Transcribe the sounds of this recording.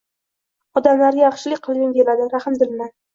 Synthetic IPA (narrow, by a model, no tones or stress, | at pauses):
ɒd̪amlaɾjɑχʃɪlɪkʲqʰɨlˠɡʲɪnkʲʰelad̪ɪɾahɨmd̪ɪlna